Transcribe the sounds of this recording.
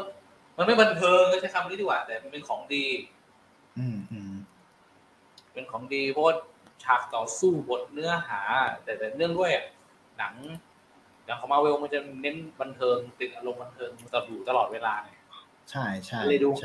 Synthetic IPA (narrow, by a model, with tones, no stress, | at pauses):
ma˧nma˥˩jba˧nt̪ʰɤː˧ŋʰ˥˩t͡ɕʰa˥˩kʰa˧˩m˨˧˨niː˦˥d̪ʰiː˧˩waː˨˩t̪ɛː˨˩˧pe˧nkʰɔː˩˦ŋdiː˧ | ʔɯː˧˩mɯ˧˩ | pe˧nkʰɔː˩˦ŋdiː˧pʰɔ˦˥waː˥˩t͡ɕʰaː˨˩k̚t̪ɔː˨˩suː˥˩bo˨˩t̪̚nɯ˦˥ɐɦaː˩˦t̪ɛː˨˩t̪ɛː˨˩nɯ˥˩əŋdu˥˩əjʔa˨˩ | na˩˦ŋ | na˨˩˦ŋkʰa˨˩˦maː˧we˧wma˧nt͡ɕa˨˩ne˦˥nba˧nt̪ʰɤː˧ŋt̪i˨˩t̪̚ʔa˧lo˧mba˧nt̪ʰɤː˧ŋ˧t̪a˧˩duː˨˩t̪a˧lɔː˨˩t̪̚weː˧laː˧na˧˩ | t͡ɕʰa˥˩jt͡ɕʰa˥a˥˩lɤː˧duː˧